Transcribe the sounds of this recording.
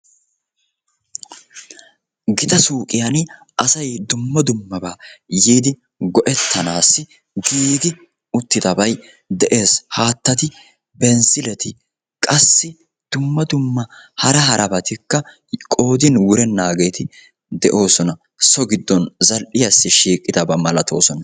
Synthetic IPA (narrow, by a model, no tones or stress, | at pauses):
ɡɪt̪ɐsuːkʼɪjɐn | ʔɐsɐjd̪ʊmːɐd̪ʊmːɐbaːjiːd̪ɪ | ɡɔʔɛt̪ʰːɐnaːsːɪ | ɡiːd̪ɪ | ʊt̪ːɪd̪ɐbɐj | d̪ɛʔe̞ːshaːt̪ːɐt̪ɪ | bɛnsɪlɛt̪ɪ | kʼɐsːɪ | d̪̥ʊmːɐd̪ʊmːɐhɐɾɐɦɐɾʔɐbɐt̪ɪkːɐ | kʼo̞ːd̪ɪnwʊɾɛnːaːɡeːt̪ʰɪ | d̪ɛʔo̞ːsɔnɐ | sɔɡɪd̪ːɔnzɐlʔɪjɐsːɪʃiːkʼːɪd̪ɐbɐmɐlɐt̪ʰo̞̰ːsɔnɐ